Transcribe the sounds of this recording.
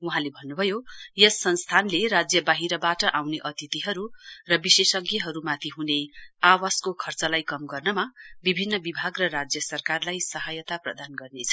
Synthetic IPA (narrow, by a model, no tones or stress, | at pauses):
uɦãlebʱʌnːubʱʌjojesːʌnst̪ʰanleɾad͡zjʌbaɦiɾʌbaʈʌʔawneʔʌt̪it̪iɦʌɾurʌbisesʌɡjʌɦʌɾumat̪ʰiɦuneawaskokʰʌrt͡sʌlajkʌmɡʌrnʌmabibʱinːʌbibʱaɡrʌrad͡zjʌsʌrkarlajsʌɦajʌt̪aprʌ̰d̪anɡʌrnet͡sʰʌ